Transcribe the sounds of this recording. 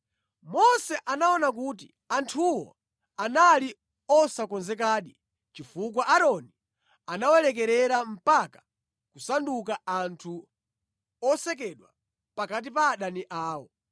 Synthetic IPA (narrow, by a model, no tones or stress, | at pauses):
mɔsɛʔanaɔnak̬uːt̬ḭ | antʰuwɔ̰ | anali | ɔsakɔnzɛk̬aːɗi | t͡ʃifuk̬waʔaɾɔni | anawɛlɛk̬ɛɾɛɾam̩pakḁ | kusandukaantʰu | ɔsɛk̬ɛɗwa | pakat̬ipaːɗaniʔaːwɔ